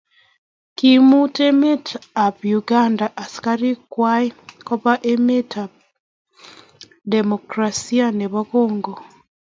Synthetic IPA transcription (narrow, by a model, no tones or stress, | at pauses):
kimutemetapjuɡaːndaʔːsi̥kaɾikwaikopaʔemetab̚ | demokɾasianeβakoːŋɡo